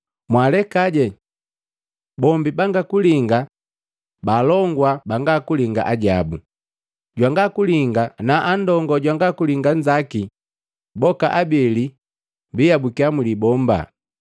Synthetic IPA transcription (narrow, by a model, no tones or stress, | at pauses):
mwalɛkaɟɛ | bɔmbibaŋɡakuliŋɡa | balɔŋɡwabaŋɡakuliŋɡa̰ʔaɟabu | ɟwaŋɡakuliŋɡanaʔandɔŋɡɔɟwaŋɡakuliŋɡand͡ʒaki | bɔka̰ʔabɛli | mbiabukiamulibɔmba̰